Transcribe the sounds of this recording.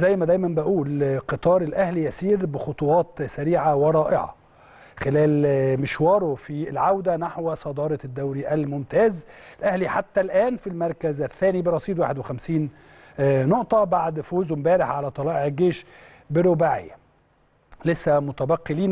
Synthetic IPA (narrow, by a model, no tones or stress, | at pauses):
zæjːmæd̪æjmænbæʔuːlqɨt̪ˤɑːɾˤelʔæhlijæsiːɾbɪxot̪ˤowɑːt̪sæɾiːʕaweɾˤɑːʔɪʕɑ̰ | xelæːlmɪʃwɑːɾˤofilʕawd̪ænaħwsˤɑd̪ɑːɾˤɑd̪ːæwɾiʔælmʊmt̪æːzlʔæhliħat̪ːælʔæːnfilmɑɾˤkæzæθːæːnibeɾˤɑsˤiːd̪waːħed̪wexæmsiːn | noʔt̪ˤɑbaʕd̪foːzwmbæːɾɪħʕalæt̪ˤɑlɑːʔeʕeɡeːʃ | bɪɾobaʕḛjːæ | lesːæmʊt̪æbæqːeliːn